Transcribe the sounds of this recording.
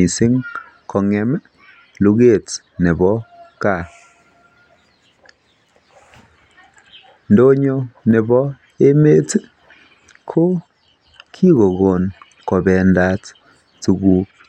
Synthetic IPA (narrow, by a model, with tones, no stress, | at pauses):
i˨sɪ˦ŋ | kʰɔ˨ŋɛ˨m˦ | lu˦ɣe˦˨t | ne˨bɔ˦ka˨ | ndo˦ɲo˦ne˨bɔ˦ | e˦me˦t | kʰo˦ | kʰi˦ɣo˨ɣo˨n | kɔ˨bɛ˨nda˨t | tu˨ɡu˨